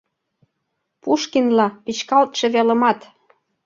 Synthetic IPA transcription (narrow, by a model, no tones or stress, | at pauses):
puʃkinlɑpit͡ɕkɑlt̪ʃĕβelə̆mɑt̪